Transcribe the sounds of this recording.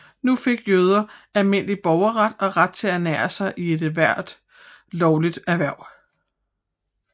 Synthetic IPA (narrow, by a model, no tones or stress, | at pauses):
nufe̝ɡ̥jøð̞ˠɐælme̝n̰lib̥ɒʊɐʁad̥ɒ̽ʁad̥̚t͡sʰe̝ænæːɐsɑ̈ɪʔie̝d̥ʋæɐ̰d̥ | lɒʊlid̥æʋæɐ̰̥